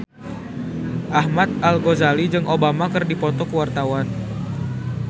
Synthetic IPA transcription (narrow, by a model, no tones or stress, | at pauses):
ʔahmat̪̚alɡozalid͡ʒɨŋʔobamakɨrdipɔt̪ɔkəwart̪awan